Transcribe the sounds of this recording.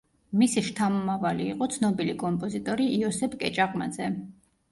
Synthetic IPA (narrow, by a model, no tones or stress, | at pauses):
misiʃt̪ʰamɔmavaliːqʼɔt̪sʰnɔbilikʼɔmpʼɔzit̪ʼɔɾiiɔsɛpʰkʼɛt͡ʃʼaqʼma̰d̪zɛ